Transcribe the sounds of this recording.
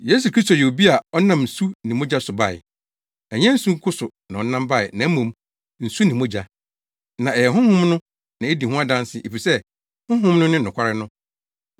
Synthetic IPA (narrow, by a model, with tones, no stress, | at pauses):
je˦s̬u˨kʰɾi˦sto˨jɛ˨o˨bi˦a˨ɔ˦nã˦˨m̩˨su˦nɪ̃˨mõ˦d͡ʑa˦sʊ˨ba˦˨ɪ̰˨ | ɛ˨ɲɛ̃˦n̩˦sũ˦ŋ̩˦kʰʊ˦sʊ˨nã˨ɔ̃˨nã˦mba˦˨ɪ˨nã˨˦mõ˨m | n̩˨su˦nɪ̃˨mõ˦d͡ʑa˦ | nã˨ɛ˨jɛ˨ɦʊ̃˦hʊ̃˦mnʊ̃˦ | nã˨e˦di˨ɦʊ̃˦a˦dã˦n˦sɪ˦ʔe˨fi˨sɛ˦ | hʊ̃˦ɦʊ̃˦mnʊ̃˦nɪ̃˦n˨ʊ̃˨kʷʰa˦ɾɪ˦nʊ̃˦